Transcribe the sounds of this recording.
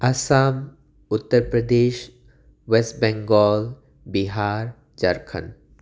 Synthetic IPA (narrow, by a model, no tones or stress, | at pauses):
ɐsaːm | ʊt̪ːəɾpɾɐd̪eːʃ | ʋesʈ̚bɛ̃ŋɡɔːl | biɦaːɾ | d͡ʒɐɾkʰə̰n